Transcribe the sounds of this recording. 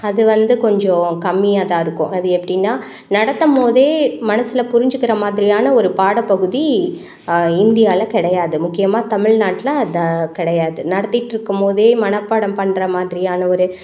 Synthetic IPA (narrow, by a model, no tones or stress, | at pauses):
ɐðɯʋɐnd̪ɯkɔɲd͡ʒɔ̃kɐmːɪjaːt̪ãːɪɾɯkːʊ̰̃ʔɐðɯɛpːɐɽɪnːaː | nɐɽɐt̪ːɐmpoːðeːmɐnɐsɪlɐpʊɾɪɲd͡ʒɯkːɪɾɐmaːðɪɾɪjaːnɐɔɾɯpaːɽɐpɐɣɯði | ɪnd̪ɪjaːlɐkɪɽɐjaːðɯmʊkːɪjɐmaːt̪ɐmɪɭnaːʈːɪlɐɐðɐkɪɽɐjaːðɯnɐɽɐt̪ːɪʈːɪɾɯkːɯmpoːðeːmɐnɐpːaːɽɐmpɐɳːɾɐmaːðɪɾɪjaːnɐɔɾɯ